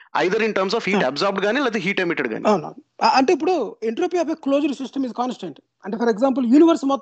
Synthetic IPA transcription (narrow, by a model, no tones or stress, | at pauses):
ɐ̰jd̪ɐɾiɳʈɐɾmsɔːfɦiːʈɐbzaːɾb̚ɖ̚ɡaːnilɐt̪eɦiːʈemiʈeɖɡa̰ːniaːna̰ːnɐɳʈeːip̬ːuɽueɳʈɾoːpiaːfekloːd͡ʒɐɾsisʈɐmizkaːnsʈɐɳʈ | ɐɳʈefʰɐɾeɡzãːmp̬ɐljuːniʋɐɾsmɔt̪